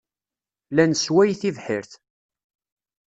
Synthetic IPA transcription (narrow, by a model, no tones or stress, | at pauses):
lænswæjθivħɪɾθ